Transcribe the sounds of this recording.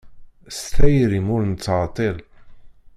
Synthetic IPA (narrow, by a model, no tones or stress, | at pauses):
st̪æjɾimʊɾnət͡sːʕt̪ˤeɾ